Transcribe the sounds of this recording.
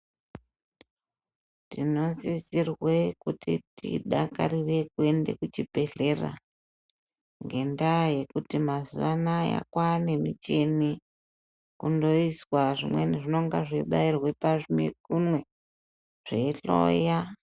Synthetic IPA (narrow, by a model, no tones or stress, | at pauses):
tino̞zisirwe̞kutitḭɗaka̰rire̞kue̞nde̞kut͡ʃibʱe̞ɮe̞ra̰ | ŋɡe̞ndaje̞kutimazuʋanaja̰kwane̞mit͡ʃe̞ni | kundo̞iswaʐimwe̞neʐino̞ŋɡaʐiɓairwe̞paʐimkumwe̞ | ʐ̥eiɬo̰ja